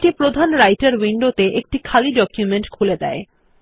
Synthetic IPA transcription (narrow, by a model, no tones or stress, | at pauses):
ʈipɾod̪ʱanɾajʈaɾwiɳɖot̪eʔek̚ʈikʰaliɖɔkjumeɳʈkʰuled̪ɛ̰e